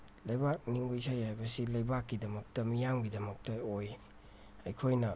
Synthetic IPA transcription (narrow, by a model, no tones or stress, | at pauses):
lɐjbak̚niŋbajsʰajajbɐsilɐjbakːidɐmɐk̚tɐmijamɡidɐmɐk̚tɐoj | ɐjkʰojnɐ